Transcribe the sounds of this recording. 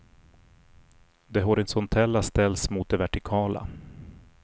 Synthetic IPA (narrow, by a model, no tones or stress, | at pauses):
d̪ɛɦɔɾɪsɔnt̪ʰɛlːast̪ɛlsmuːt̪̚d̪ɛvæʈɪkʰɑːla̰